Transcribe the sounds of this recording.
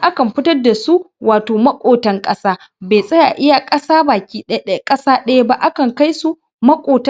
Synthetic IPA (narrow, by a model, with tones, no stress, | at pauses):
ʔa˦kɐ˨mɸɪ˦tɐ˦rda˨su˦waː˨toː˨mɐ˦kʷʼoː˨tɐ˦ŋkʼɐ˦saː˦ | beː˨sʼɐ˦ja̰˨ʔɪ˦ja˨kʼɐ˦saː˦baː˨kʲiː˦kʼɐ˦saː˦ɗɐ˦ja˦ba˦ʔa˦kɐ˨ŋka˦jsu˦ | mɐ˦kʷʼoː˨tɐ˦